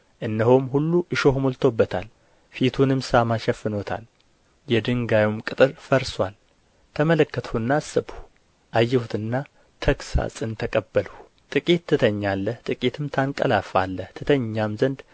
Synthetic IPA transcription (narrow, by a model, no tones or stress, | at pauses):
ʔɨnːəɦomɦulːuʔɨʃo̞hmolt̪ʰobːət̪ʰa̰l | fit̪ʰunɨmsamaʃɛfːɨnot̪ʰa̰l | jɛd̪ɨŋɡajumkʼɨt̪ʼɨɾfəɾswal | t̪ʰəmələkːət̪ʰhɨnːasːɨbu̥ | ʔajːɛhut̪ʰɨnːa | t̪ʰəksa̰sʼɨnt̪ʰəkʼəbːəlu | t̪ʼɨkʼit̪ːɨt̪ʰəɲːalːəht̪ʼɨkʼit̪ʰɨmt̪ʰaŋkʼəlafa̰lːəht̪ʰɨt̪ʰəɲːamzənd̪